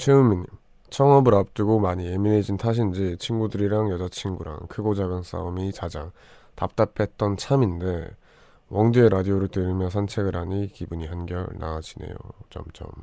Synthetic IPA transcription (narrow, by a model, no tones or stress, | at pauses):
t͡ɕʰɯmiɲi | t͡ɕʰʌŋʌbɯɾap̚t͈ɯɡomaɲie̞mined͡ʑintʰaɕ̬ʰind͡ʑit͡ɕʰinɡudɯɾiɾaŋjʌd͡ʑat͡ɕʰinɡuɾa̰ŋkʰɯɡod͡ʑaɡɯns͈a̰umit͡ɕad͡ʑaŋ | tap̚t͈apʰe̞t̚t͈ʌnt͡ɕʰaminde̞ | wʔʌŋd͡ʑeeɾadioɾɯɭtwɯɾimjʌnsʰant͡ɕʰe̞ɡɯɾɦaɲikibuɲihanɡjʌ̰ɭna̰ad͡ʑine̞̰jo̰t͡ɕʌ̰mt͡ɕʌ̰m